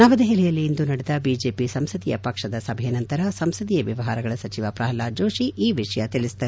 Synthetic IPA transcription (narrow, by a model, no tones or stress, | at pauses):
nɐʋɐd̪ɐɦilɛjɐlːiːnd̪unɐɽɛd̪ɐbiːd͡ʒe̞ːpisɐmsɐd̪ijɐ̰pɐkʂɐd̪ɐsɐbʱɐjɐnɐnt̪ɐɾɐsɐmsɐd̪ijɐʋjɐʋɐɦaːɾɐɡɐɭɐsɐt͡ʃiʋɐpɾaːɦɐlaːd͡ʒoːʂiʔiːʋiʂɐjɐt̪iɭisd̪ɐɾ